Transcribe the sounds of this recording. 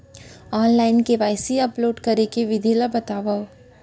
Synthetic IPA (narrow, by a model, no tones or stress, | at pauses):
ɔːnlaːɪnkeʋaːɪsiɐploːɖkɐɾekeʋɪd̪ʱiːlabɐt̪aːʋa